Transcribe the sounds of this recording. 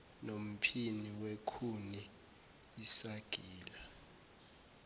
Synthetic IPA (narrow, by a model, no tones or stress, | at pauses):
nom̩pʰiniwekʰuni | isaɡ̥ʱiːla